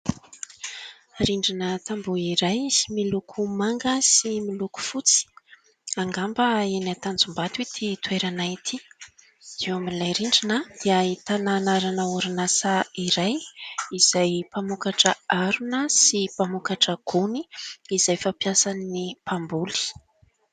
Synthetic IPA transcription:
riɳɖ͡ʐinət̪ambuiɾajsimilukʰumaŋɡəsimiluku̥fut͡si̥ | aŋɡambəenat̪and͡zumbat̪uit̪ʰit̪weɾanait̪ʰi | zewaminlajɾiɳɖ͡ʐinəd̪̥iəit̪ananaɾanəuɾinasaiɾajiz̥ajpamukaʈ͡ʂəaɾunəsipamukaʈ͡ʂəɡ̥uniːzajfapjasannipambuli̥

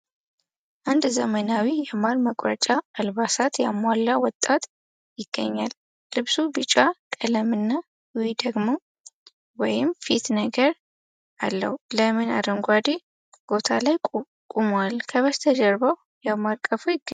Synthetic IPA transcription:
ʔand̪zəmənawijɛmaɾməkʼɾət͡ʃʼaːlβasat̪jamalːawɔt̪ʼːat̪ | jɪɡ̥ːə̰ɲːal | lɨβsubɨt͡ʃʼakʼələmɨnːa | wid̪əɡmo | wɔjɪmfit̪nəɡəɾ | ʔalːə̰hləmɨna̰d̪əŋɡʷad̪i | b̥o̞t̪ʰalaj | kʼumalkʰəβəst̪ʰəd͡ʒəɾbəw | jaβmaɾkʼəfujɪɡːə

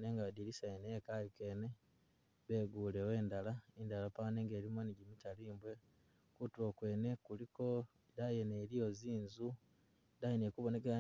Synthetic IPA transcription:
neːŋɡadilisajeneekalike̞ːne | βeːɡuːlewe̞ːndalaindalapaneːŋɡe̞ːɾimwoniɟimitaliːmbwe̞ | kutwo̞ːkwe̞ːne̞kuliko̞ | dajenelijo̞ziːnzu | dajenekuβo̞ne̞kea

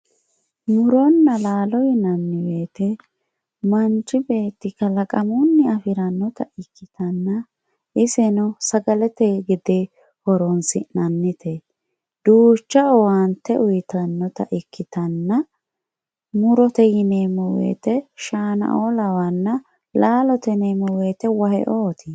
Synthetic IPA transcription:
mʊɾɔnːɐlaːlɔjɪnɐnːɪwe̞ːt̪ɛ | mɐnt͡ʃːɪbe̞ːt̪ːɪkɐlɐkʼɐmʊnːɪɐfɪɾɐnːɔt̪ɐ̰ɪkʰːɪt̪ɐnːɐ | ʔɪsɛnɔsɐɡɐlɛt̪ɛɡɪd̪e | hɔɾɔnsɪnɐnːɪt̪ʰɛ | d̪̥uːt͡ʃːɐɔwɐnt̪ːɛʔʊjt̪ɐnːɔt̪ɐ̰ʔɪkːɪt̪ɐnːɐ | mʊɾɔt̪ɛjɪneːmɔwḛːt̪ɛʃaːnɐ̰ʔolɐwɐnːɐ | laːlɔt̪ɛneːmɔwe̞ːt̪ɛwɐhɛ̰ʔoːt̪ʰɪ

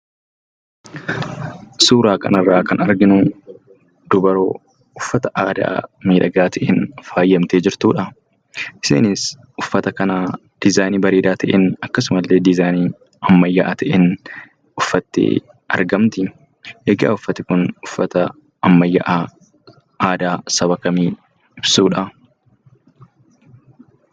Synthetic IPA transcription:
suːɾaːkɐ̰nɐrːaːkɐnɐɾɡɪnʊ | d̪̥ʊbɐɾo̰ː | ʊfːɐt̪ɐʔaːd̪a̰ːmiːᶑɐɡaːt̪ɛʔenfaːjːɐmt̪eːd͡ʒɪɾt̪uːᶑɐ | ʔɪ̥sḛːnɪs | ʔʊfːɐt̪ɐkɐnaː | d̪̥ɪzaːjniːbɐɾeːd̪aːt̪ʰɐʔenɐkːɐs̬ʊmɐlːeːd̪ɪzaːniː | ɐmːɐjːɐʔaːt̪ɐʔen | ʊfːɐt̪ːḛː | ɐ̰ɾɡɐmt̪ɪ | eɡa̰ːʊfːɐt̪ɪkʊnʊfːɐt̪ɐ | ɐmːɐjːɐʔaː | aːd̪aːsɐbɐkɐmiː | ɪbsuːᶑɐ

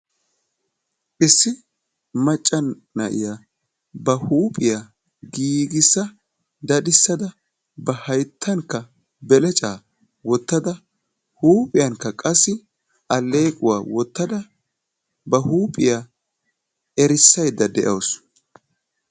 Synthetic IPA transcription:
ʔɪsːɪ | mɐt͡ʃʼːɐn | nːɐʔɪ̰ja | bɐhuːpʼɪja | ɡiːɡɪsːɐ | d̪ɐd̪ɪsːɐd̪ɐ | bɐhɐjt̪ʰːɐŋkːɐ | bɛlɛt͡ʃʼaː | wɔt̪ːɐd̪ɐ | huːpʼɪjɐŋkːɐkʼɐsːɪ | ɐlːe̞ːkʼʊwaːwɔt̪ːɐd̪ɐ | bɐhuːpʼɪjaː | ɛɾɪsːɐjd̪ɐd̪ɛʔɐws

